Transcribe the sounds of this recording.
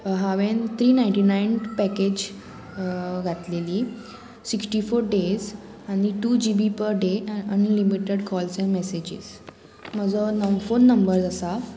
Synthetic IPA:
ɦaʋẽnt̪ʰɾiːnajiɳʈinajnpɛked͡ʑ | ɡʱat̪leliː | siksʈifoɾɖes | añiʈuːd͡ʑibipəɾɖeənlimiʈeɽkɔlsẽmɛsed͡ʑḭs | m̤əd͡zənɔʋfonːəmbəɾd͡zasa

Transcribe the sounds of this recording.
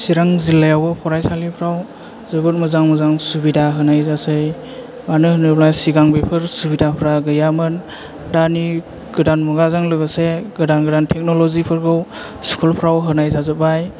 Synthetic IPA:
siɾaŋzilːajawbɯpʰɔɾajsalipʰɾaw | zɯbɯɾ̚mɯzaŋmɯzaŋsubidaɦɯnajzasɯj | banɯhɯnɯplajsiɡaŋbepʰɯɾsubidapʰɾaɡɯjamɯn | dani | ɡ̥ɯdanmuɡazaŋlɯɡɯseɡɯdanɡɯdantʰek̚nɔlɔzipʰɯɾɡɯw | skʰulpʰɾawɦɯnajzazɯbaj

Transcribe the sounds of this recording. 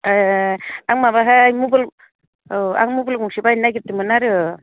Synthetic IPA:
aŋmaβaɦaːjmubɯl | a̰ŋmubɯlɡuŋsibajnajɡɯtɯmɯnaɾɯ

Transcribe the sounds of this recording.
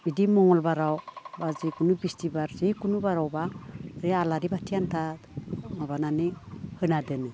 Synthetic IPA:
idimɔŋɔlbaɾawbazikunubistibaɾzekunubaɾawbazealaɾibatʰiantʰa | mabananɯhɯnadɯnɯ

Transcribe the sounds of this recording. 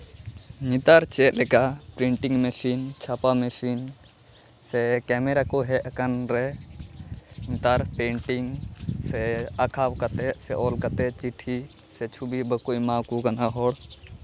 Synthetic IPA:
ɲit̪aɾt͡ʃɛt̪̚ˀlɛkapɾiɳʈiŋmɛsint͡ʃʰapamɛsin | sɛkɛmɛɾakɔɦɛakanɾɛ | ɲit̪aɾpẽɳʈiŋsɛakʰawkat̪ɛsɛʔɔlkat̪ɛt͡ʃiʈʰi | sɛt͡ʃʰubibəkujmawkukanaɦɔɽ

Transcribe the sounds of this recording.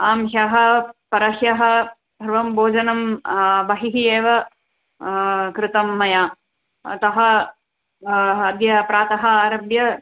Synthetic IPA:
aːmʃɐɦɐ̆pɐɾɐʃjɐɦɐ̆ | bʱɐɾʋɐmboːd͡ʒɐnɐmbɐɦiɦieːʋɐ | kɾɪt̪ɐmːɐjaː | ɐ̰t̪ɐɦɐ̆ | ɐd̪jɐpɾaːt̪ɐɦɐaːɾɐbjɐ

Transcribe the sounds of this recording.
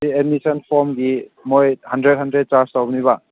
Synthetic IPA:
ied̚misənpʰoɾmɡimojhɐndɾet̚ɦɐndɾet̚t͡ʃaɾstawbniβa

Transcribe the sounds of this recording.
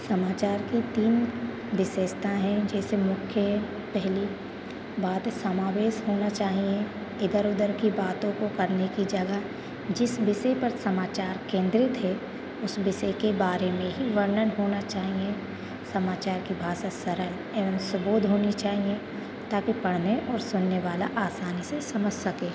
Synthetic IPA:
sɐmaːt͡ʃaːɾkit̪iːn | ʋɪʃeːʃt̪ʰaɦɛ̃d͡ʒɛːsemʊkʰjə | pɛɦli | baːt̪sɐmaːʋeːʃɦoːnat͡ʃaːɦiẽ | ɪd̪əɾʊd̪əɾkibaːt̪õkokɐɾnekid͡ʒɐɡə | d͡ʒɪsbɪʃepɐɾsɐmaːt͡ʃaːɾkẽːnd̪ɾɪt̪ɦɛ | ʊsbɪʃekebaːɾemẽɦiʋəɾnənɦoːnat͡ʃaːɦie | sɐmaːt͡ʃaːɾkibʱaːʃasɐɾəl | eːʋəmsʊbuːd̪ɦoːnit͡ʃaːɦie | t̪aːkipɐɽ̤neʔɔːɾsʊnːeʋaːlaʔaːsaːnisesɐməd͡ʒʱsɐkeː

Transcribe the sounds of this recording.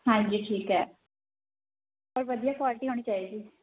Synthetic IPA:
ɦãːɲd͡ʒiːʈʰiːkɦɛː | pəɾʋəd̪ijaːkwaːlɪʈiːɦoːɽ̃iːt͡ʃaːiːɡiː

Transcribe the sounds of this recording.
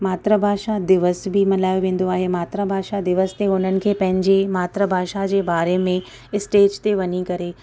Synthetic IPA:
maːt̪ɾəbʱaːʃad̪ɪʋəsbʱimɐlaːjoʋẽːn̆d̪oaːɦemaːt̪ɾəbʱaːʃad̪ɪʋəst̪eʊn̤ənɪ̆kʰeːpɐ̃ɦɪ̃ɲd͡ʑemaːt̪ɾəbʱaːʃad͡ʑeːbaːɾemẽ | ɪsʈeːd͡ʑt̪eʋɐɲikɐɾeː

